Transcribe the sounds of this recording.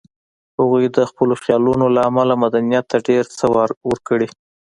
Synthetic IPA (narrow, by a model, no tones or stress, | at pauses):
haɣujd̪əxpəloxjɑlunolaːmalamad̪anijat̪ːaɖeɾt͡səwɑɾwəɾkəɽi